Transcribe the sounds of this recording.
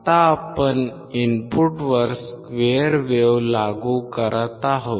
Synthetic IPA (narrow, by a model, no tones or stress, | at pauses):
t̪aːpən | inpuʈʋəɾskʋeəɾʋeʋlaɡukəɾət̪aɦo